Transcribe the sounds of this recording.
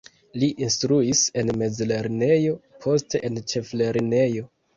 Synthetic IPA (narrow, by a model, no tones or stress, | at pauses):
liʔinstɾuise̞nme̞d͡zle̞ɾne̞jo̞pʰo̞ste̞ʔent͡ʃe̞fle̞ɾne̞jo̞